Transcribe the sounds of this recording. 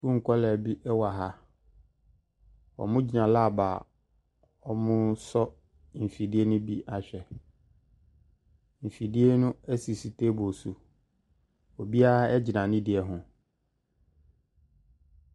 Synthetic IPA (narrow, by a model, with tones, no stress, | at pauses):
fu˦ŋ̩˨kʰɔ˦lɛ˨bi˦ʔɛ˦wa˨ɦa˦ | ɔ̰˨mʊ̃˦d͡ʑi˨nã˨la˦˨ba˨ | ɔ˨mʊ̃˦sɔ˦ | m̩˨fi˨di˦e˦nʊ̃˦bi˦ʔa˨ɕᶣɛ˨ | m̩˨fi˨di˦e˦nʊ̃˦ɛ˦si˨si˨tʰe˦bɔ˨su˨ | ɔ˨bi˦a˦ɛ˦d͡ʑɪ˨nã˨nɪ̃˦dɪ˨ɛ˨ɦʊ̃˨